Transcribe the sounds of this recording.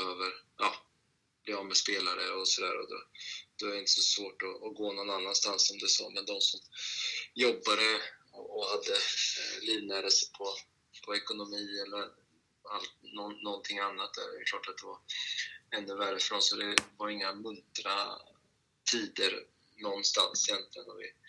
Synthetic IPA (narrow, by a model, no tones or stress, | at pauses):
bɛhøːvəɾʔɑː | b̥lɪɾjanmɛspeːlaɾəɔsɔd̪æ̰ːɾɔd̪ɔ̰d̪̥ɔɛɖɛɪnt̪əsɔsvoːʈɔːɡoːnɔnanːanst̪ansːɔmd̪ɛsɔ̰ːmɛnd̪ɔmsɔm | jɔbːaɾəɔɔhad̪ːəliːvnæːɾəsəpʰɔ | pʰɔɛkʊnʊmiːɛlːəɾ | alt̪̚nɔnːɔnt̪ʰɪŋːanːat̪̚d̪ɛ̰ɛkʰlɑːʈat̪̚d̪̥ɛvaɾ | ɛnːəvæɾːəfœɾɔnsɔd̪ɛvaɾɪŋːamɵnt̪ɾa | t̪ʰiːd̪əɾ | nɔnːst̪a̰nsɪjɛnt̪lɪɡə̰nɔvɪ̰